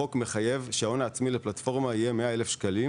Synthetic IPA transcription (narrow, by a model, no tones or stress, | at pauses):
o̞kme̞χaje̞vʃeao̞naːt͡smileplatfo̞ʁmaijeme̞aelefʃkali